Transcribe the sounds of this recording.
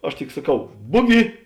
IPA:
ˈɐʃ tʲɪk sɐˈkɐʊ ˈbʊɡʲɪ

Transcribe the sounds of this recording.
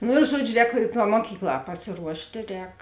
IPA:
ˈnoː ɪr ˈʒuɔd͡ʒʲʊ ˈrʲɛːk tɑː muɔˈkʲiːkˌlˠɑː pɐsʲɪˈruɔʃʲtʲeː ˈrʲɛːk

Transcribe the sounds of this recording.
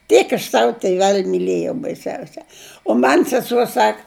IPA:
ˈtʲiɛk ɐʃ ˈsɑːʋʊ tʲɪˈʋʲɛlʲ mʲɪˈlʲeːjɛʊ bɐɪˈsʲɛʊsʲɛ oː ˈmɐnʲ sʲɛˈsuɔ ˈsɐk

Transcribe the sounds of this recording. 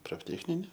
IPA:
proːfʲˈtʲæːt͡sʲnʲɪnʲɛ

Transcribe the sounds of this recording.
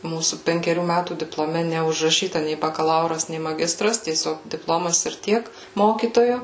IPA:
ˈmuːsuː pʲɛŋʲkʲɛˈrʲuː ˈmʲætuː dʲɪplˠoːˈmʲɛ nʲɛʊʒrɐˈʃʲiːtɐ nʲɛɪ bɐkɐˈlˠɐʊrɐs nʲɛɪ mɐˈɡʲɪstrɐs tʲiɛˈsʲoːk dʲɪpˈlˠoːmɐs ɪr ˈtʲiɛk ˈmoːkʲiːtoːjoː

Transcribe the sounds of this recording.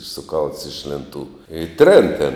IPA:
sʊˈkɐlˠts ɪʃ lʲeːnˈtuː ɪ ˈtʲrʲeːn tʲeːn

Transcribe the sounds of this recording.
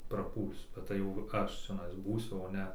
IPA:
prɐˈpuːlʲsʲʊ bʲɛt ˈtɐɪ jɛʊ ˈɐʃ t͡ʃʲɛˈnɐɪs ˈbuːsʲʊ oː ˈnʲɛ

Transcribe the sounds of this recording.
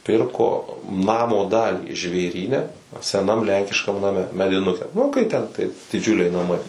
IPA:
ˈpʲɪrkoː ˈnɑːmoː ˈdɑːlʲiː ʒʲʋʲeːˈrʲiːnʲɛ sʲɛˈnɐm ˈlʲɛŋʲkʲɪʃkɐm nɐˈmʲɛ mʲɛdʲɪˈnʊkʲɛ nʊ kɐɪ ˈtʲɛn tɐɪ dʲɪˈd͡ʒʲʊlʲɛɪ nɐˈmɐɪ

